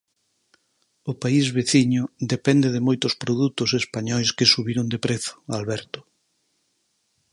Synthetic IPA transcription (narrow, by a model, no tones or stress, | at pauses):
ʊpaizβeθiɲʊd̪epɛnd̪eðemojt̪ʊspɾoðut̪ʊsespaɲɔjskesuβiɾond̪epɾeθʊ̥alβɛɾt̪ʊ̥